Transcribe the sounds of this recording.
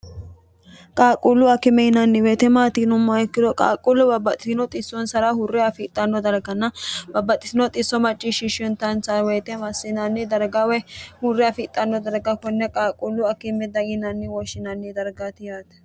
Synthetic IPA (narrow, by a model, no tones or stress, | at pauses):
kʼaːkʼulːʊɐkːɪmɛhɪnɐnːɪweːt̪ɛmaːt̪inʊmːɐɛkːɪd̪ɔkʼa̰ːkʼʊlːʊbɐbɐt̪ʼːɪsɪnɔt̪ʼɪsːɔnsɐɾɐhʊrːɪɐfɪt̪ʼːɐnːɔd̪ɐɾɡɐnːɐbɐbːɐt̪ʼːɪsɪnɔt̪ʼɪsːɔmɐt͡ʃʼːɪʃɪʃɔnt̪ɐnsɐweːt̪ɛmɐsːɪnɐnːɪd̪ɐɾɡawɛhʊrːɪɐfɪt̪ʼːɐnːɔd̪ɐɾɡɐkɔnːɛkʼaːkʼulːʊɐkːɪmːɛd̪ɐɡɪnɐnːɪwɔʃɪnɐnːɪd̪ɐɾɡat̪ɪjaːt̪ɛ̥